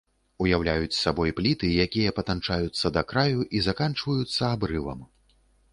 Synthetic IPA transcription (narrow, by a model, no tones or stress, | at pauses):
ujawlʲajut͡sʲsabɔjplʲit̪ɨjakʲijɐpɐt̪ant͡ʂajut̪sːɐd̪ɐkɾajuʔizakant͡ʂvɐjut̪sːɐabɾɨvɐ̰m